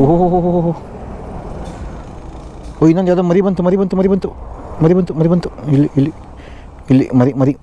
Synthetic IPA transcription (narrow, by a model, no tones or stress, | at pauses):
oɦoɦoɦoɦoɦoɦo | ojinand͡ʒad̪ɐmɐɾibɐnt̪umɐɾibɐnt̪umɐɾibɐnt̪umɐɾibɐnt̪umɐɾibɐnt̪uilːiʔilːi | ilːḭmɐɾimɐɾi